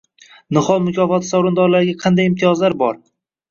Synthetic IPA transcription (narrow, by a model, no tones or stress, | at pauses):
nɨχɒlˠmʊkʲʰɒfɒt̪ʰɪsawɾʊnd̪ɒɾlaɾɪɡʲaqʰɑnd̪ajɪmt̪ʰijɒzlaɾbɒɾ